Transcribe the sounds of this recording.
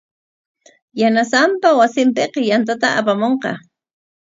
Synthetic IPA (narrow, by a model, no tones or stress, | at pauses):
janasampawasɪmpeqɑjant̪at̪aʔapamoɴqɑ̰